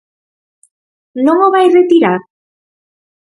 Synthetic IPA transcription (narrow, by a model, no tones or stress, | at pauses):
noŋoβajret̪iɾa